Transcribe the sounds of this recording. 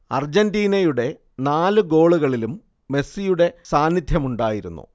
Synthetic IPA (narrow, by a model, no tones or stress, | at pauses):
ɐrd͡ʑendiːnɐjuɽe̞ | naːlɨɡo̞ːɭuɣɐɭilumː | e̞sːijuɽe̞saːnːid̪ʱjɐmuɳɖaːjiɾṵnːṵ